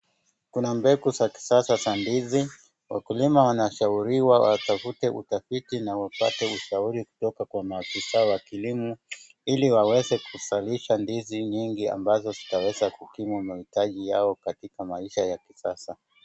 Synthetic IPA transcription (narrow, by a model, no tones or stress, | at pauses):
kunambɛkusaki̥sasasandizi | wa̰kulimawanaʃauɾiwawʔatafutɛʔṵtafitinawapa̰tɛuʃauɾiku̥tɔkakwamaːfisaɔwakilimu | iliwawɛzɛkusaliʃandiziɲiŋɡia̰mbazɔzitawɛzakukimumahitaʄijaɔkatikamaiʃajakisasa